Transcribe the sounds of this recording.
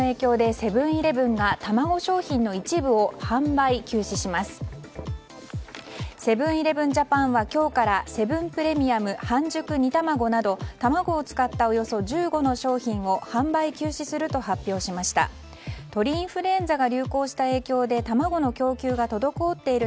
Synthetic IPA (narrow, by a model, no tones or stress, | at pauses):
oe̞ːkʲo̞ːd̪e̞se̞bɯ̟̃ɰ̃iɾe̞bɯ̟̃ŋɡat̪amaɡo̞ɕo̞ːçĩnːo̞it͡ɕibɯ̟o̞hãmbaikʲɨːɕiɕimasɨ̥ | se̞bɯ̟̃ɰ̃iɾe̞bɯ̟̃ɲd͡ʑapãɰ̃βakʲo̞ːkaɾase̞bɯ̟̃mpɯ̟ɾe̞mʲiamɯ̟hãɲd͡ʑɨkɯ̟ɲ̟it̪amaɡo̞nad̪o̞t̪amaɡo̞ːt͡sɨ̥kat̪ːao̞jo̞so̞ʑɨːɡo̞no̞ɕo̞ːçĩɰ̃o̞hãmbaikʲɨːɕisɨɾɯ̟t̪o̞hapʲjo̞ːɕimaɕi̥t̪a̰ | t̪o̞ɾʲiĩɰ̃ɸɯ̟ɾẽ̞nd͡zaɡaɾʲɨːko̞ːɕi̥t̪ae̞ːkʲo̞ːd̪e̞t̪amaɡo̞no̞kʲo̞ːkʲɨːɡat̪o̞d̪o̞kɯot̪ːe̞iɾɯ